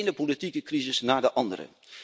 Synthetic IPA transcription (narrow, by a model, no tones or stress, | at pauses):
jnəpolitikəkrizɪsnaːɹdəʔɑndə̰ɾə̰